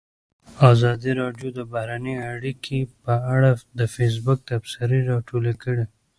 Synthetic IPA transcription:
ɑzɑd̪iɾɑɖjod̪əbahɾanəaɽikʰepəaɽad̪əfes̬bʊk̚t̪absɪɾeɾɑʈolekəɽe

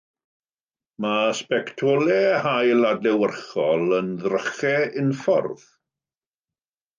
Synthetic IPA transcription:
maspɛktʰɔlɛhajladlɛwərχɔlˠənðrəχɛɪnfɔ̰rð

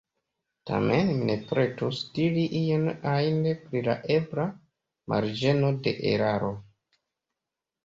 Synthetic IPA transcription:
tʰa̰menmine̞pɾe̞tusdiɾiʔijenaindepɾila̰ʔe̞bɾa | mʔa̰ɾd͡ʒe̞no̞de̞̰ʔḛɾaɾo̞

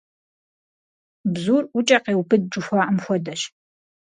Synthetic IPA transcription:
bzuːrʊt͡ʃʼɐqeːwpʰɨd̚ʈ͡ʂʊxʷaːʔɐmxʷɔdɐʃ

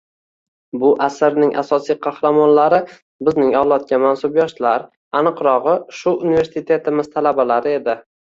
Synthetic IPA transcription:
bʊʔasɪɾnɪŋʔa̰sɒsijqʰɑhɾamɒnlaɾɪ | bɪznɪŋɒwlˠɒt̪̚kʲamansʊbjɒʃlaɾ | anɨqɾɒʁɨʃʊʊnive̞ɾsit̪ʰe̞t̪ʰɪmɪzt̪ʰalabalaɾɪe̞d̪ɪ

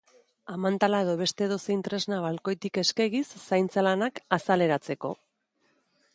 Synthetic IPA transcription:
amant̪alaeðo̞βe̞st̪e̞ðo̞seint̪ɾe̞znaβalko̞jt̪ike̞skeɣisːajnt͡salanakasale̞ɾat͡se̞ko̞̰

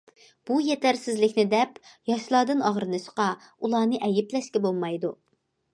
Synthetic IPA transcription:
b̥ujet̪ʰæɾsɪzlɪkʲnɪd̪ɛpjɑʃlˠɑːd̪ɨnɑʁɾɨnɨʃqɑ | ulˠɑːnɨʔɛjɪplɛʃkʲɛbolˠmɑjd̪u

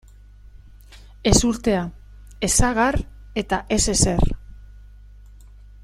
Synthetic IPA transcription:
e̞suɾt̪e̞a | e̞saɣaɾ | e̞t̪aʔe̞se̞se̞r

